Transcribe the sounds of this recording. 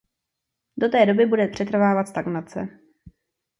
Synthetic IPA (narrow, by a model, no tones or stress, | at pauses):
do̞t̪ɛːdo̞bɪbudɛpr̝̥ɛt̪r̩vaːvat̪st̪aɡnat͡sɛ̰